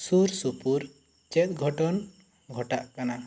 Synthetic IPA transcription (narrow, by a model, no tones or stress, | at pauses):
suɾsupuɾ | t͡ʃɛt̪̚ˀɡʱɔʈɔn | ɡʱɔʈaʔkana